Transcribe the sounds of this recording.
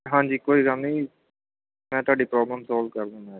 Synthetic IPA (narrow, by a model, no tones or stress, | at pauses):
ɦãːɲd͡ʒiːkoːiːɡənniː | mɛ̃ːt̪ʊaːɖiːpɾɔːbləmsɔːlʋkəɾd̪ẽːna